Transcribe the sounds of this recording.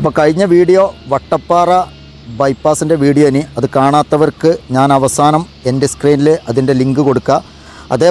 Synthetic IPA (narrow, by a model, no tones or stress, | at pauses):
ɐpːokɐɻiɲːɐʋiːɽijo̞ʋɐʈːɐpːaːrɐ | bɐjpːaːsinde̞ʋiːɽijoniɐðɨkaːɳaːt̪ːɐʋɐrkɨɲaːnɐʋɐsaːnɐm | e̞ndeskriːnileʔɐðinde̞liŋɡɨko̞ɽukːa | ɐ̰ðeː